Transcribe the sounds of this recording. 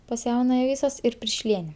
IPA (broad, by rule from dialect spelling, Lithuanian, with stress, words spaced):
pɐs ˈjɛʊnɐjɛ ˈʋʲiːsoːs ɪr pʲɪrʲˈʃʲlʲiɛnʲɛ